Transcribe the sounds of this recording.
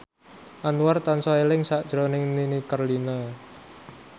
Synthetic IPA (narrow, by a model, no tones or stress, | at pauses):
ʔanuwart̪ansɔelɪŋsaʔd̥ʒ̥ɾonɪŋninikərlina